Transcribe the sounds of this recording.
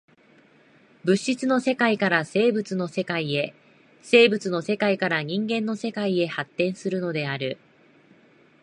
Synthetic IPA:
bɯ̟ɕit͡sɨno̞se̞kaikaɾase̞ːbɯ̟t͡sɨno̞se̞kaie̞ | se̞ːbɯ̟t͡sɨno̞se̞kaikaɾaɲ̟ĩŋɡẽ̞nːo̞se̞kaie̞hat̪ːẽ̞ɰ̃sɨɾɯ̟no̞d̪e̞aɾɯ̟

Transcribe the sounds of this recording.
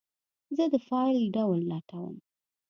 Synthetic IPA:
zəd̪əfɑliɖawlːɑt̪awə̰m

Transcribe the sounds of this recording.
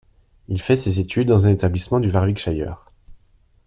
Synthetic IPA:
ilfɛsezet̪ʰyd̪ːɑ̃zɛ̃net̪ablismɑ̃d̪yvaʁvikʃajœ̰ːʁ

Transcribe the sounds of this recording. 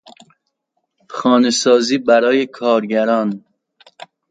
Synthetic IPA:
xɒːnesɒːziːbæɾɒːjekʰɒːɾɟæɾɒːn

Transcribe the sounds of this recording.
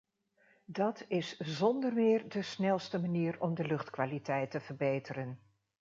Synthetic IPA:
dɑtɪszɔndəɹmɪːɹdəsnɛlˠstəmaniːɹɔmdəlɵχtkʋaːlitɛjtəv̥əɹbejtəɾən

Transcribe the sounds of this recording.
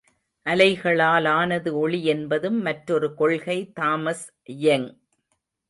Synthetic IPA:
ʔɐlɐɪɣɐɭaːlaːnɐðɯɔɭiɛnbɐðɯmːɐʈɾɔɾɯkɔɭɣɐɪt̪aːmɐs | jɐŋ

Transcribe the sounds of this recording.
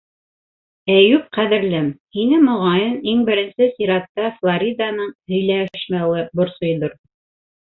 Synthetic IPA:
æjʉp̚qæðɘ̆ɾlæmhinɘmŏʁɑjɤniŋbɘ̆ɾɘ̆nsɘsiɾɑt̪ːɑflˠaɾʲid̪ɑnɤɴhɵ̆jlæʃmælɤbŏɾsŏjðoɾ

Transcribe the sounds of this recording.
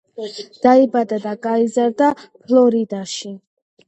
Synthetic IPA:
d̪̥aibad̪ad̪aɡaizaɾd̪apʰlˠɔɾid̪aʃi

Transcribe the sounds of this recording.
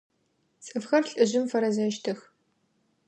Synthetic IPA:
t͡sʼɨfxɐrɬʼɨʑɪmfɐɾɐzɐʃtʰɨx

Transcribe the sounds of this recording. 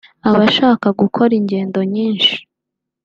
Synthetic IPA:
aβaʃaːkaɡukʰo̞ɾiɲɟe̞ːndo̞ɲiːnʃi̥

